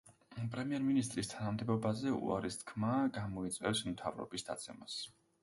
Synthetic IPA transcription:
pʼɾɛmiɛɾminist̪ʼɾist̪ʰanamd̪ɛbɔbazɛṵa̰ɾist̪ʰkʰmaɡamɔit̪sʼwɛfsmt̪ʰavɾɔ̰bisd̪a̰t̪sʰɛmas

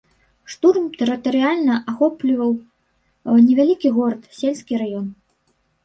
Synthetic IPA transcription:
ʂt̪urmt̪ɛɾɨt̪ɐɾɨalʲnɐʔaxɔplʲivɐw | nʲɛvʲalʲikʲiɣɔɾɐt̪sʲelʲsʲkʲiɾajɔn

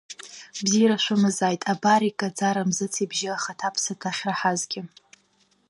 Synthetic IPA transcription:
bziɾaʃʷʊmɨzajtʼabaɾikʼad͡zaɾamzɨt͡sʰibʒɪaχatʰapʰsatʰaχʲraħazɡʲɪ

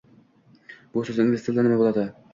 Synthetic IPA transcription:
bʊsɵzɪnvesʰlanɪmabolˠad̪ɪ

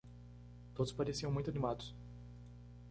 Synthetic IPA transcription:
t̪od̪ʊspaɾesiɐ̃mũj̃t̪ʊanimad̪ʊs

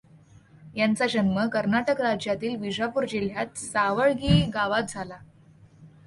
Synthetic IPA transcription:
jant͡sad͡ʑənməkəɾnaʈəkɾad͡ʑjat̪iːlʋid͡ʑapuɾd͡ʑiljat̪̚saʋəɭɡiːɡaʋat̪̚d͡zʱala

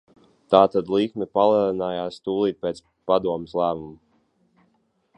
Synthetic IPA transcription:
t̪aːt̪ad̪lˠikmɛpalˠɛlˠinaːjaːst̪uːlˠiːt̪̚pʲeːt̪s | pad̪uɔmeslˠæːmumu

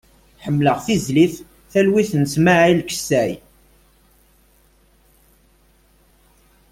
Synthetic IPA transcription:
ħəmːləʁθizliθ | θælwiθnsmaʕilkə̥sːæj

